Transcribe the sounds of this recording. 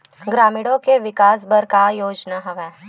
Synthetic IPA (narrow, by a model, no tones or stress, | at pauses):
ɡɾaːmɪɽõkeʋɪkaːs̬bɐɾkajoːd͡ʒnaɦɐʋɛː